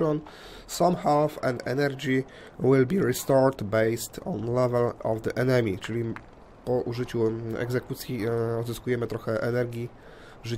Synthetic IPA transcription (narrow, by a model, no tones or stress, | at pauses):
ɔn | sãmxɛlfɛ̰̃nɛ̰nɛɾd͡ʑʲi | wilbʲiɹist̪ɔɾt̪bɛjst̪ɔ̰̃nlɛvɛlɔvd̪əʔɛnɛmʲit͡ʂɘlʲi | pɔʔuʐɘt͡ɕuɛ̰ɡzɛkut̪sʲjiɔd̪zɘskujɛmɘt̪ɾɔxɛʔɛnɛɾɡʲi | ʐɘ